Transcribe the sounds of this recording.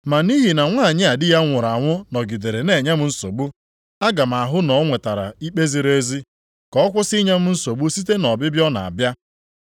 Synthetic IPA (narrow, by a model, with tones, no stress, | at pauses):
ma˨ni˦ɦi˨na˨ŋʷa˦˨ɲɪ˦a˨dɪ˦ja˦ŋʷʊ˨ɾa˨ŋʷʊ˦nɔ˨ɡi˨de˨ɾe˨ne˨ɲe˦m̩˦n̩˦so˨bu˦ | a˦ɡa˨m̩˨a˨ɦʊ˦nɔ˨˦ŋʷe˨ta˨ɾa̰˨i˦k͡pe˦zi˦ɾe˦zi˦ | kɔ˨˦ɔ˦kʷʊ˦si˦ɲe˦m̩˦n̩˦so˨bu˦si˦t̬e˦nɔ˨bɪ˦bjɔ˦na˨a̰˨bja˦